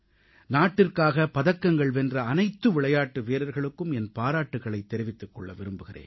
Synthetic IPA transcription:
naːʈːɪrkaːɣɐpɐðɐkːɐŋɡɐɭʋɛndrɐːnɐɪt̪ːɯʋɪɭɐjaːʈːɯʋeːɾɐɾɣɐɭɯkːɯmɛnpaːɾaːʈːɯɣɐɭɐɪt̪ːɛɾɪʋɪt̪ːɯkːɔɭːɐʋɪɾɯmbɯɣɪrḛːn

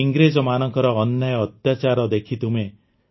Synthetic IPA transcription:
iŋɡɾed͡ʒɔmanɔŋkɔɾɔːnːajɔːt̪jat͡ʃaɾɔd̪ekʰit̪ume

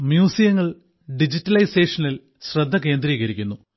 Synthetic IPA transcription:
mjuːsijɐŋːɐɭ | ɖid͡ʑitːɐlɐjseːʂɐnil | ɕrɐd̪ʱːɐke̞ːnd̪ɾiːɣɐɾikʲːunːu

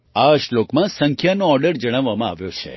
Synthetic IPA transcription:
aʃlokmãsəŋkʰjanoɔɾɖəɾd͡ʒəɽ̃aʋːamãa̰ʋjot͡ʃʰḛ

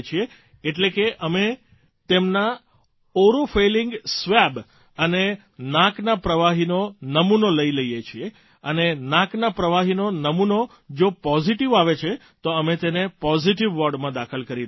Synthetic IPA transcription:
t͡ʃʰieː | ʈlekeʔəme | t̪emna | oɾofelɪŋɡsʋɛb | əne | nãknapɾəʋaɦinonəmunoləiləjet͡ʃʰie | ənenãknapɾəʋaɦinonəmuno | d͡ʒopɔziʈiʋaʋet͡ʃʰe | t̪oəmet̪enepɔziʈiʋːɔɾɖmãd̪akʰəlkəɾi

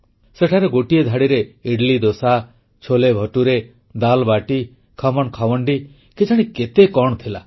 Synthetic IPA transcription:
seʈʰaɾeɡoʈijed̪ʱaɽiɾeiɽlid̪osa | t͡ʃʰolebʱɔʈuɾe | d̪albaʈi | kʰɔmɔɳkʰawɔɳɖi | ked͡ʒʰaɽ̃iket̪ekɔɳɔt̪ʰila̰

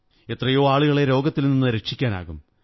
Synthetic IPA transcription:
e̞t̪rɐjo̞ːaːɭuɣɐɭe̞ɾo̞ːɡɐt̪ːilninːɨɾekʂikʲːaːna̰ːɣum

